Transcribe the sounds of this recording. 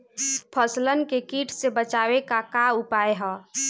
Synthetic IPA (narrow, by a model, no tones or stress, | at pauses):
pʰəslənkekiʈʰsebət͡ʃawekakaupaeɦə̃